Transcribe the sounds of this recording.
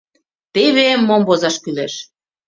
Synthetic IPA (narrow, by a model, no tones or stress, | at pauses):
t̪eβemːombozɑʃkyleʃ